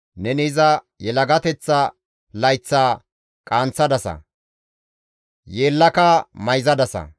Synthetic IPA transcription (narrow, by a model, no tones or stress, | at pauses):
nɛnɪzɐ | jɛlɐɡɐt̪ɛt͡sːɐ | lɐjt͡sːaː | kʼaːnt͡sːɐd̪ɐsɐ̰ | jeːlːɐkɐmɐjzɐd̪ɐsɐ̰